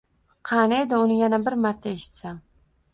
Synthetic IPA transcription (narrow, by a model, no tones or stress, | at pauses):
qʰɑnaed̪ɪʊnɪjanabɪɾmaɾt̪ʰaeʃɪ̥t̪saŋ